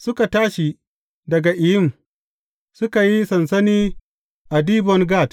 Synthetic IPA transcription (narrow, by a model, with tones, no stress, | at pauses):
sʊ˦ka˨taː˦ʃi˨ | dɐ˨ɡa˨ʔɪ˨jɪ˦˨m | sʊ˦ka˨ji˦sɐ˨nsɐ˦niː˦ | ʔa˨diː˦bɔ˦ŋɡaː˦˨t